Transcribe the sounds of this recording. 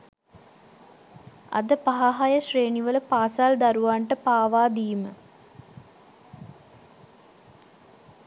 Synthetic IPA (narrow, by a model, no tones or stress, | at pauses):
ɐ̰d̪əpaɦaɦajəɕreːniʋələpaːsald̪aɾuʋaɳʈəpaːʋaːd̪iːmə̰